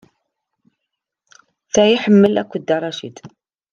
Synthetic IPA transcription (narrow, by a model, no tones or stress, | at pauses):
θæjiħəmːəlæ̰kʷːəd̪ːɑrˤːɑʃḭd̪